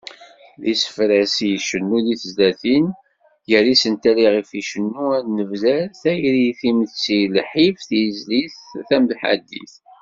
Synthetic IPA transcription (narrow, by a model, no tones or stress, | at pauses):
lisə̥fɾæsiʃənːuðiθəzlæθin | jərːisənt̪æliʁifiʃənːuænəvzælθæjɾiθiməθt͡sːilħifθzliθθæmðħa̰d̪ːḭθ